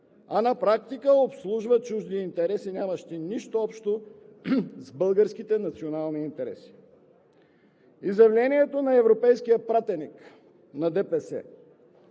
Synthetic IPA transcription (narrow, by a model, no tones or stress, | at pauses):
ɐnɐpɾak̚t̪ikəopslˠuʒvət͡ʃuʒd̪iːnt̪ɛɾɛsinʲaməʃt̪iniʃt̪oɔpʃt̪o | zbɤlˠɡəɾskit̪ɛnɐt̪sionalˠniːnt̪ɛɾɛ̰si̥ | izjɐvlʲɛniɛt̪onɐɛvɾopɛjsk̟ijəpɾat̪ɛnik | nɐd̪ɛpɛsɛ̰